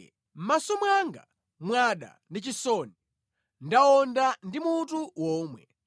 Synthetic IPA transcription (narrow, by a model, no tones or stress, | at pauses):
m̩masɔmwaŋɡa̰ | mwaɗa̰ndit͡ʃisɔni | ndaɔndandimutuwɔːmwɛ̰